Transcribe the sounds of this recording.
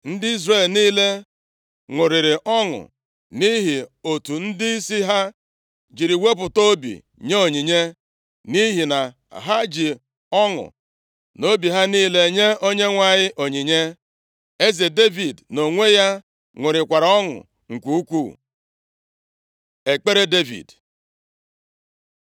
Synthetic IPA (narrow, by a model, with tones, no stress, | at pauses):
n̩˦dɪ˦i˦zre˦˨lniː˦le˦ | ŋʷʊ˨ɾɪ˨ɾɪ˨ʔɔ˦ŋʊ̰˨ | ni˦ɦi˨o˨tu˨n̩˦dɪ˦i˦si˦ɦa˦ | d͡ʒi˨ɾi˨we˦p̬ʊ˨to˦bḭ˨ | ɲe˦o˨ɲi˨ɲe˦ | ni˦ɦi˨na˨ | ɦa˦d͡ʒi˨ | ɔ˦ŋʊ̰˨ | no˦bi˨ɦa˦niː˦le˨ɲe˦o˦ɲe˦ŋʷa˨ɲɪ˦ʔo˨ɲi˨ɲe˦ | e˦ze˨de˦vi˨dno˨ŋʷe˦ja˦ | ŋʷʊ˨ɾɪ˨kʷa˨ɾa˨ɔ˦ŋʊ̰˨ | ŋ̩˨kʷu˦u˦kʷu˦˨ | e˨k͡pe˦ɾe˦de˦vḭ˨d